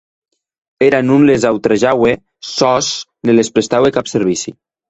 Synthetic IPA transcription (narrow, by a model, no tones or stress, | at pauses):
eɾanunlezawt̪ɾaʒawe | sɔsnelespɾest̪awekapseɾβ̞isḭ